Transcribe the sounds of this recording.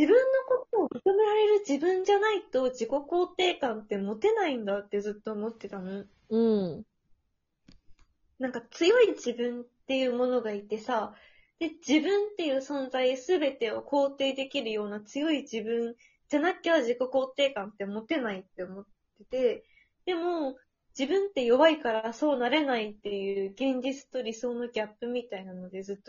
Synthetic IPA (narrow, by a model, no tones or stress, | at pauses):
d͡ʑ̥ibɯ̟̃nːo̞ko̞t̪oːmɯ̟kɯme̞ɾaɾe̞ɾɯ̟d͡ʑibɯ̟̃ɲ̟d͡ʑanait̪o̞d͡ʑiko̞ko̞ːt̪e̞ːkãnt̪e̞mo̞t̪e̞naĩnd̪at̪ːe̞zɨt̪ːo̞ːmo̞t̪ːe̞t̪ano | ɯ̟̃ɴ | nãŋkat͡sɨjo̞id͡ʑibɯ̟̃nt̪e̞jɯ̟ːmo̞no̞ɡait̪e̞sa | d̪̥e̞d͡ʑibɯ̟̃nt̪e̞jɯ̟ːsõ̞nd͡zaisɨbe̞t̪e̞okʰo̞ːt̪e̞ːd̪e̞kʲiɾɯ̟jo̞ːnat͡sɨjo̞id͡ʑibɯ̟̃n | d͡ʑanakʲːeβaʑiko̞ko̞ːt̪e̞ːkãnt̪ːe̞omo̞t̪e̞nait̪ːe̞omo̞t̪ː | e̞t̪e̞ | d̪̥e̞mo̞ | d͡ʑibɯ̟̃nt̪ːe̞jo̞βaikaɾaso̞ːnaɾe̞nait̪ːe̞jɯ̟ːɡẽ̞ɲ̟d͡ʑit͡sɨ̥t̪o̞ɾʲiso̞ːnoɡʲapːɯ̟mʲit̪ainano̞d̪e̞zɨt̪ːo